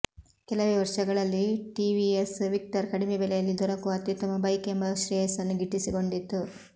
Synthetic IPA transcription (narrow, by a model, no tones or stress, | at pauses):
kɛlɐʋeʋɐɾʂɐɡɐɭɐlːiʈiʋiesʋik̚ʈɐɾkɐɽimebɛlɛjɐlːid̪ɔɾɐkuʋɐt̪ːit̪ɐmɐbɐjkembɐʃɾɛːsɐnːuɡiʈːisiɡo̞ɳɖit̪ːu